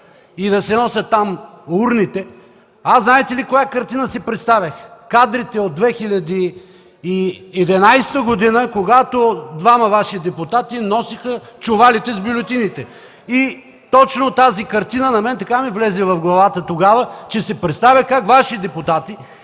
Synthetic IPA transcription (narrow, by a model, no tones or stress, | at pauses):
id̪ɐsɛnɔsʲɐt̪ːam | uɾnit̪ɛ | asnaɛt̪ɛlikojakɐɾt̪inəsɛpɾɛt̪st̪avʲəxkad̪ɾit̪ɛod̪̚ːvɛxilʲɐd̪iː | ɛd̪ɛnajst̪əɡod̪inəkoɡat̪od̪vamɐvaʃid̪ɛpʊt̪at̪inɔsixət͡ʃʊvalit̪ɛzbolʲot̪init̪ɛ | i | t̪ɔt͡ʃnot̪azikɐɾt̪inənɐmɛnt̪ɐkamivlɛzɛvɐfɡlˠɐvat̪ət̪oɡavət͡ʃɛsɛpɾɛt̪st̪avʲɐxkakvaʃid̪ɛpʊt̪at̪i